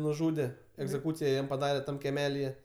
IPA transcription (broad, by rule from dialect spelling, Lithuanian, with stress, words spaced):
nʊˈʒuːdʲɛ ɛɡzʲɛˈkuːt͡sʲɪjɛ ˈjɛm pɐˈdɑːrʲɛ ˈtɐm kʲɛˈmʲæːlʲɪjɛ